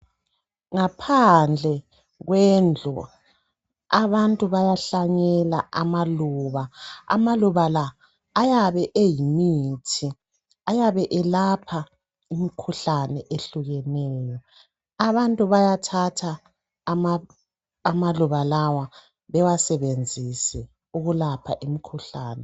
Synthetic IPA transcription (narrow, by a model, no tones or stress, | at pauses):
ŋapʰand͡ɮʱɛ | ɣwɛnd͡ɮʱɔ̰ | aβantʼuβajaɬaɲɛla̰amaluːβaa̰maluβalaː | jaβɛʔejimitʰi | ajaβɛʔɛlapʰa | imikʰuɬanɛʔeɬuɣɛnɛːjɔ | aβantʼuβajatʰatʰa | mː | maluβalawa | βɛwasɛβend͡zʱisɛ | uɣulapʰa̰ʔimikʰuɬaːnɛ